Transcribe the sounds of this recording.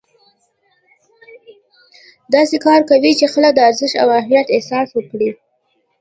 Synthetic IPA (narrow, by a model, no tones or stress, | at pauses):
d̪ɑsekɑɾkawit͡ʃexəlad̪əaɾzɪʃa̰wahmijat̪ɪhsɑswəkɽi